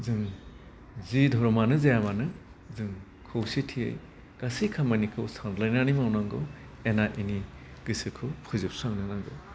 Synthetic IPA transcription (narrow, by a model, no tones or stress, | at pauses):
zɯŋ | zidʱɔɾɔmanɯzajamanɯ | zɯŋ | kʰɯwsitʰiḛj | kasikʰamanikʰɯwsandlajnanimawnaŋɡɯ | enaʔiniɡ̥ɯsɯkʰɯwpʰɯzɯp̚saŋnɯnaŋɡɯw